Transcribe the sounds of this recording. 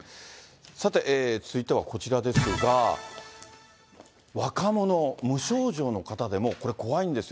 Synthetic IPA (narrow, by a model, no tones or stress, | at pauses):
sat̪e̞ʔeːt͡sɨ̥ɨit̪e̞βako̞t͡ɕiɾad̪e̞sɨɡa | βakamo̞no̞mɯ̟ɕo̞ːʑo̞ːno̞kat̪ad̪e̞mo̞ko̞ɾe̞ko̞βaĩnd̪e̞sɨjo